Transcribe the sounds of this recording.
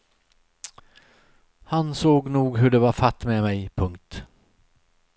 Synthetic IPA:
hansoːɡnuːɡɦɵɖɛvaɾfat̪ːmɛmɛjpʰɵŋk̚t̪

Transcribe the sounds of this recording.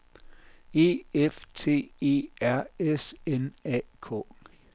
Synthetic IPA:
e̝̰ːeft͡sʰe̝̰ːe̝̰ːæɐ̰esenɛ̰ːkʰɔ̰ː

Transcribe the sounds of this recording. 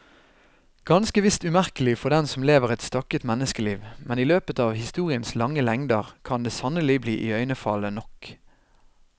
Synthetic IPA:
ɡ̥ɑnskəʋɪst̪ʉmæʁkəlɪfɔʁd̪ɛnsɔmleːʋəʁɛt̪st̪ɑkət̪mɛnːəskəliːʋmɛniːløːpət̪ɑːʋhɪst̪uːʁɪənslɑŋːəlɛŋd̪əʁkʰɑnd̪eːsɑnəlɪbliːʔiːœʏnəfɑlənɔk

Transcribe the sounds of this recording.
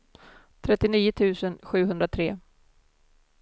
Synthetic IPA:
t̪ʰɾɛt̪ːɪniːʊt̪ʰʉ̟ːsənɧʉ̟ːɦɵnd̪ɾat̪ʰɾeː

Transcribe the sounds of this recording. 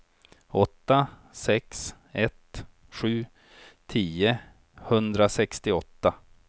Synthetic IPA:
ɔt̪ːa | sɛks | ɛt̪ | ɧʉ̟ː | t̪ʰiːə | hɵnd̪ɾasɛkst̪ɪɔt̪ːa

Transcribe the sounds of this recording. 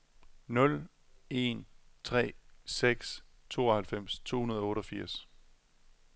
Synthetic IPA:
nɔ̽l | e̝̰nt͡sʰʁɛ̰ːseɡ̥s | t͡sʰo̝̰ːɒhælfem̰st͡sʰo̝̰ːhunɐð̞ˠɔ̽ːɾɒ̽fiɐ̰s

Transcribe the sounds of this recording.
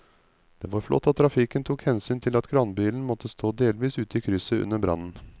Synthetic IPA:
d̪̥ḛːʋɑɾflɔ̰t̪ːɑt̪ʰːɾɑfɪkənt̪ʰuːkhɛnsyːnt̪ʰɪlɑt̪ɡʰɾɑnbiːln̩mɔt̪ʰːəst̪ʰoːd̪eːlʋiːsʉːt̪əiːkʰɾʏsəʉ̰nːəɾbɾʔɑ̰nːn̩

